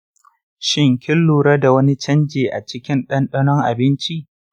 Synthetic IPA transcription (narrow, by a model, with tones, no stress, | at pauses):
ʃɪ˦˨ŋkʲɪ˦lːuː˨ɾɐ˦da˨wɐ˦ni˦t͡ʃɐ˦nd͡ʒeː˨ʔa̰˨t͡ʃɪ˦kʲɪ˦nɗɐ˦nɗɐ˦nɔ˦ŋʔa˨bɪ˦nt͡ʃi˦ʔ